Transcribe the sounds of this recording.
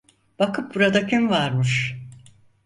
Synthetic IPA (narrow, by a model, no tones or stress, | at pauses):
b̥akɯp̚buɾad̪acʰynvaɾmɯʃ